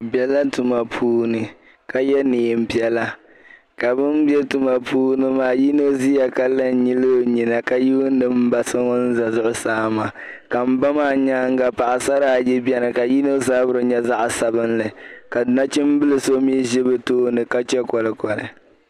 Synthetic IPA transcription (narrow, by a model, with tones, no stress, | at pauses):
bjɛ˦la˦tu˨ma˨pʰuː˦nɨ˨ | ka˨jɛ˦neː˨m̩˦˨bi˦ɛ˨la˦ | ka˨bɨ˦m˦bɛ˦tu˨ma˨pʰuː˦nɨ˦maː˨˦˨ji˦no˦zi˦ja˨ka˦lɨ˦n˦ɲi˦lɨ˦˨ɲi˨na˨ka˨ji˦nː˦ɨ˦m̩˦ba˨sɨ˦ŋɔ˦n̩˦za˨zʊ˦ʔʊ˦saː˦ma˨ | ka˨m̩˦ba˦maː˦˨ɲaː˦ŋ˦ɡa˨pa˨ʔa˨sa˦ɾa˨jɛ˦bɛ˦nɨ˨ka˨ji˦no˦zaː˦bʊ˦ɾɨ˦ɲɛ˦za˦ʔsa˨bɨ˦nlɨ˨ka˨dna˦t͡ʃɪ˦m˦bɨ˦lɨ˨so˦mi˦ʒɛ˦bɛ˨toː˦nɨ˨ka˦t͡ʃɛ˦kɔ˨lɨ˨kɔ˨lɨ̰˨